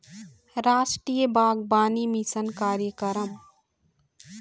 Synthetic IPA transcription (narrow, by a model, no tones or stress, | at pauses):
ɾaːsʈɾijəbaːɡbaːnimisənkaːɾjəkəɾəm